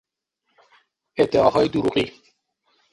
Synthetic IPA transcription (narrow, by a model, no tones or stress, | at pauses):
ebd̪̥eɒːɦɒːjed̪uɾuɣiː